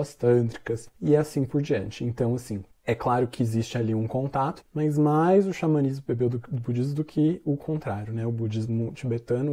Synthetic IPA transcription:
ɐst̪ɐ̃nd̪ɾikɐsɪɛasĩpʊɾd͡ʒiɐ̰̃nt͡ʃɪḛ̃nt̪ɐ̃w̃asĩ | ɛklaɾʊkɪezist͡ʃɪaliũkõnt̪at̪ʊ̥mɐjzmajzʊʃamɐnizmʊbebewd̪d̪ʊbud͡ʒizmʊd̪ʊkʰɪʊkʰõnt̪ɾaɾjʊnɛʊbud͡ʒizmʊut͡ʃibet̪ɐ̃nʊ

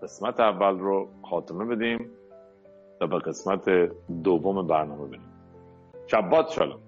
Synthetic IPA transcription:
ɢ̥esmæt̪ʰeævːælroxɒːt̪ʰeme̞be̞d̪iːm | t̪ʰɒːbeɣe̞smæt̪ʰed̪ovːomebæɾnɒːme̞be̞d̪iːm | ʃæbːɒːt̪ʃɒ̰ːlo̰m

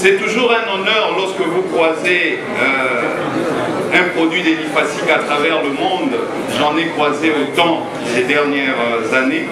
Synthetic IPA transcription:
sɛt̪uʒuʁɛ̃nɔnœʁlɔʁskəvukχwaze | ø | ɛ̃pχɔd̪ɥid̪elifasikat̪χavɛʁləmɔ̃d̪ | ʒɑ̃nɛkχwazeot̪ɑ̃ | led̪ɛʁnjɛʁzane

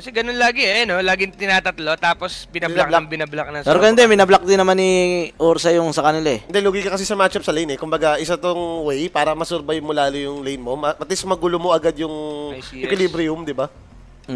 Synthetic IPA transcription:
kɐsɛɡɐnonlaːɡɪɛʔɐnolaːɡɪŋt̪ɪnaːt̪ɐt̪lo̞t̪aːpospɪnɐblɐklaŋbɪnɐblɐk̚nɐŋpɛːɾoɡɐd̪ɛmɪnɐblak̚d̪ɪnːɐmaniʔuːɾsɐjʊŋsɐkɐnɪlaɛnd̪ɛluːɡikɐkɐsisɐmaːt͡ʃɐp̚sɐlɐjnɛkʊmbɐɡaʔɪsɐt̪oŋwɛjpaːɾɐmɐsʊɾbajmʊlaːlɪjʊŋlɐjnmo̞mɐmɐt̪̚lismɐɡulomoʔɐɡad̪jʊŋɪkwɪlibɾɪjʊmd̪ɪba

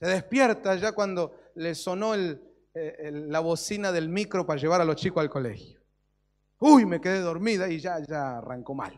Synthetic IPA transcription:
seðespjeɾt̪aʒakwand̪oleso̞noel | eːaβosinaðelmikɾopaɾaʒeβ̞aɾalost͡ʃikoalko̞lḛxjo̥ | ujme̞keðeðo̞ɾmiðaiʒaʒaara̰ŋkoma̰l

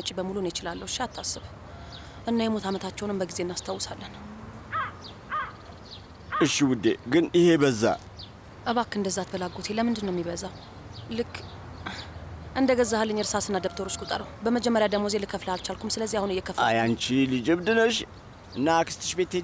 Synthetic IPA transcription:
ət͡ʃʼibəmulunjɛt͡ʃɪlalːəhwʃiat̪ʰːasːɨβ | ʔɨnːajɛmo̞t̪ʰamət̪ʰat͡ʃːɛwnɨmbəɡizeɨnːast̪ʰawsalːən | ʔɨʃːiwʊd̪ːeɡɨnihe̞bəzːa̰ | ʔəβakːɨnd̪əzːat̪bəlaɡot̪ʰe̞ləmɨnd̪ɨnːəwmːiβəzaw | lɨkː | ʔɨnd̪əɡəzːahalːɨɲːɪɾsasɨnːad̪əkt̪ʰəɾot͡ʃkʼut̪ʼə̰ɾəhbəməd͡ʒɛmːəɾjad̪əɡmo̞zelɨkʰːəfləalt͡ʃalkʰumsɨləzːiahunɨjɛkʰəfajant͡ʃilɨd͡ʒɨβd̪ɨnəʃ | ɨnːakʰɨ̥st̪ʰɨ̥ʃbet̪ʰːe

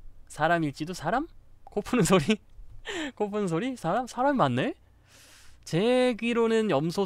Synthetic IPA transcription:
sʰaɾamiɭt͡ɕ͈idosʰaɾamkopʰunɯnsʰoɾi | kopʰunɯnsʰoɾisʰaɾamsʰaɾamimanːe̞ | t͡ɕe̞ɡiɾonɯnjʌmsʰo

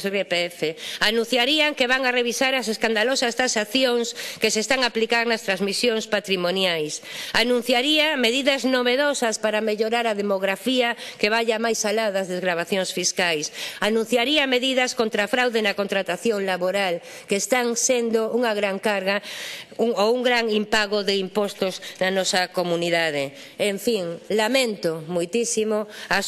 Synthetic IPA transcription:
sepeefeanũn̟θjaɾiaŋkeβaŋareβisaɾɐseskand̪alosɐst̪asaθjoŋskesest̪aŋaplikaɾnɐst̪ɾazmisjoŋspat̪ɾimonjajsanũn̟θjaɾiameðiðɐznoβeðosɐspaɾameʎoɾaɾaðemoɣɾafiakeβaʎamajsalaðɐzðezɣɾaβ̞aθjoŋsfiskajsanũn̟θjaɾiɐmeðiðɐskõnt̪ɾafɾawðenɐkont̪ɾat̪aθjoŋlaβoɾal | keːst̪aŋsend̪ouŋaɣɾaŋkaɾɣauŋouŋɡɾaŋimpaɣoðeimpɔst̪oznɐnɔsɐkomuniðaðe | eɱfiŋlamẽnt̪omojt̪isimoas

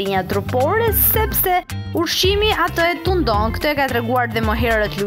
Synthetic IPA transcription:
iɲat̪ɾupɔɾɛssɛpsɛ | uɾʃimiat̪əɛt̪und̪ɔnkə̥t̪ɔɛkat̪ɾɛɡuaɾðɛmɔɦɛɾət̪lu

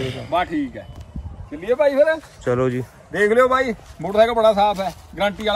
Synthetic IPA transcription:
mãːʈʰiːkɦɛ̰ːt͡ʃəlieːpaːiːpʰələ̃ | t͡ʃəloːd͡ʒiː | d̪eːkʰlejoːbʱaːiːboɽsaːɡabəɽaːs̬aːpʰɛːɡɾãːɳʈiːaːl

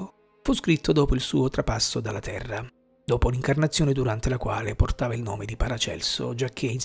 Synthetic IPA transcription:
fuskɾit̪ʰːod̪ɔːpoilsuːot̪ɾapasːod̪alːat̪ʰɛrːa | d̪oːpoliŋkarnat̪sːjoːned̪uɾant̪elakwa̰ːleport̪aːvailno̰ːmed̪ipaɾat͡ʃɛ̰lso̰d͡ʒak̟ʰːein

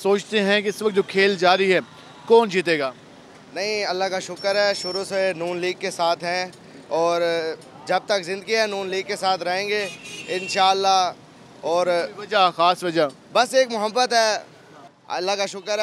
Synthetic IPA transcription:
soːt͡ʃt̪eɦɛ̃kiɪsʋɐk̚t̪̚d͡ʒoːkʰeːld͡ʒaːɾiɦɛː | kɔːnd͡ʒiːt̪eːɡaː | nɐɦĩɐlːakaʃʊkəɾɦɛːʃʊɾusenuːnliːɡ̚kːesaːt̪ʰɦɛ̃ | ɔːɾ | d͡ʒɐb̚t̪ɐkzɪ̃nd̪əɡiɦɛnuːnliːɡ̚kesaːt̪ʰɾɐɦẽːŋɡeːɪ̃nʃaːəlːa | ɔːɾɐd͡ʒaxaːsʋɐd͡ʒa | bɐseːkmʊɦəbːət̪ɦɛː | ɐ̰lːakaʃʊkəɾ

